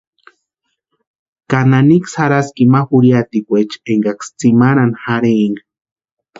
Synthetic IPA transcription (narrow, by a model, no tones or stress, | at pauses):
kananiksaɾaskimaxuɾjat̪ikʷet͡ʃeŋɡakst͡simaɾanxaɾeŋɡa